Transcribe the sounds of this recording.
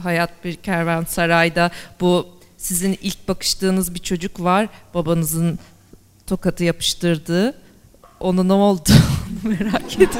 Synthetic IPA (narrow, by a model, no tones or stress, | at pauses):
ɦajat̪̚biɾcʰæɾvæɾnsaɾajd̪abu | sizinilʲc̚bakʰɯ̥ʃt̪ɯːnɯzbit͡ʃʰo̞d͡ʒukvaɾ̥b̥abanɯzɯn | t̪ʰo̞kat̪ʰɯjapʰɯ̥ʃt̪ɯɾd̪ɯː | o̞nunoolˠd̪uonumeɾaːcʰet̪i